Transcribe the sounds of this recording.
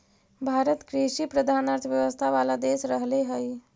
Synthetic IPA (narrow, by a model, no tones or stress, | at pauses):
bʱaɾət̪kɾiɕipɾəd̪ʱanat͡sʋjəʋəst̪ʰaʋalad̪esɾəɦleɦəj